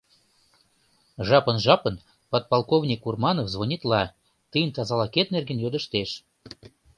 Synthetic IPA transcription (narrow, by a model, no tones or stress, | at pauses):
ʒɑpənʒɑpən | pot̪̚pɑlˠkovnʲikurmɑnofzβonʲit̪lɑ | t̪əjənt̪ɑzɑlɑket̪̚nerɡenjod̪ə̆ʃt̪eʃ